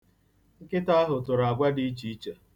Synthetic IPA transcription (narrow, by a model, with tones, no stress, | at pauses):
ŋ̩˦kɪ˦ta˦a˦ɦʊ˨tʊ˨ɾa˨ɡʷa˦di˦t͡ʃi˦i˦t͡ʃe˨